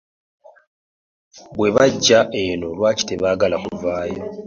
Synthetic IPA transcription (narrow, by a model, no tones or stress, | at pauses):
βwe̞βaɟːaʔeno̞lwaːci̥te̞βaːɡalakuvaːjo̞